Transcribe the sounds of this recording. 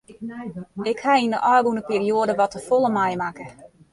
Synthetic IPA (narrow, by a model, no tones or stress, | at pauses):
ɪkhaindəʔɔːɡunəpiːrioədəʋɔtəfolˠəmajmakə